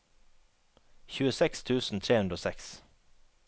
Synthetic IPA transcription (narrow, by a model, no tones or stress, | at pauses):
çʉːəsɛkst̪ʰʉːsn̩t̪ʰɾeːhʉnd̪ɾəoːsɛks